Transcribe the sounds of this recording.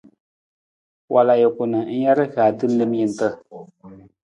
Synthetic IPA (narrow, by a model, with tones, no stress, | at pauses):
wʔa˨la˨jʊ˨kʊ˨nɨ˨˦n̩˦ja˦ɾɨ˦ɣaː˨dɨ˦n̩˦lɨ˦m˦ji˨n˨tɨ˦